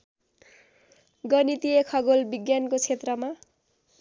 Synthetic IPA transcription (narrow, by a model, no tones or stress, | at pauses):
ɡʌnit̪ijekʰʌɡolbiɡjankot͡sʰet̪rʌma